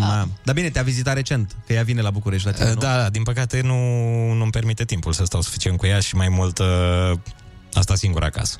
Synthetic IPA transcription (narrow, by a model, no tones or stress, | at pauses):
ad̪abine̞t̪eavizit̪aɾe̞t͡ʃe̞nt̪kəjavine̞labukuɾeʃt̪ʲlat̪inend̪ad̪ad̪inpəkat̪e̞nunumpe̞rmit̪e̞t̪impulsəst̪awsu̥fi̥t͡ʃiet̪̚kujaʃimajmult̪ | ast̪asiŋɡuɾa̰ka̰sə̥